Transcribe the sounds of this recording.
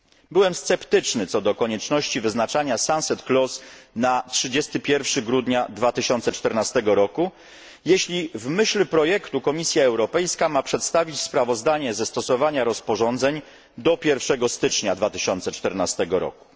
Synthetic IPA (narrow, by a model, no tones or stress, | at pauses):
bɘwɛmst̪sɛpt̪ɘt͡ʂnɘt̪sɔd̪ɔkɔɲɛt͡ʂnɔɕt͡ɕivɘznat͡ʂaɲasansɛt̪klɔsnatʂɘd͡ʑɛst̪ɘpʲjɛɾfʂɘɡɾud̪ɲad̪vat̪ɘɕɔnt̪sɛt͡ʂt̪ɛɾnast̪ɛɡɔɾɔku | jeɕlʲivmɘɕlɛpɾɔjɛkt̪ukɔmʲisʲjaɛwɾɔpɛjskamapʂɛt̪st̪avʲit͡ɕspɾavɔzd̪aɲɛzɛst̪ɔsɔvaɲaɾɔspɔʐɔnd̪zɛɲ | d̪ɔpʲjɛɾfʂɛɡɔst̪ɘt͡ʂɲad̪vat̪ɘ̥ɕɔnt̪sɛt͡ʂt̪ɛɾnast̪ɛɡɔɾɔ̰ku̥